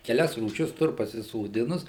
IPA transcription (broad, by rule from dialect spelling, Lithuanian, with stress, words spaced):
kʲɛˈlʲɛs ruːˈʃʲɪs ˈtʊr pɐsʲɪsoːˈdʲɪnʊs